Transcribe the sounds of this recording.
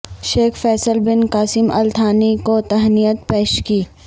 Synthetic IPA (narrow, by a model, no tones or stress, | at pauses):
ʃeːkʰfɛːsəlbɪnkaːsɪmʔɐ̰lt̪ʰaːnikot̪ɐɦnijət̪peːʃkiː